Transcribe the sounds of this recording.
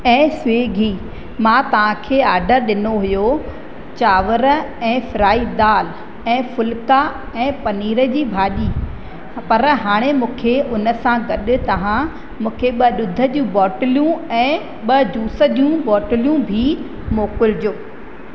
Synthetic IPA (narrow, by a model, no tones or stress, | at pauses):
ɛ̃ːseːɡʱiː | mãːt̪ɐʋ̤ãkʰeːaːɖəɾɗɪnoɦʊjo | t͡ɕaːʋəɾəɛ̃ːfɪɾaːid̪aːl | ɛ̃ːfʊlka | ɛ̃ːpɐniːɾəd͡ʑiːbʱaːɗiː | pɐɾɦaːɽ̃emũːkʰeʔʊnəsãɡɐɗʊ̆t̪ɐʋ̤ã | mũːkʰeɓɐɗʊd̪ʱəd͡ʑũbɔːʈɪljũɛ̃ː | ɓɐd͡ʑuːsəd͡ʑjũbɔːʈɪljũbʱi | moːkʊld͡ʑoː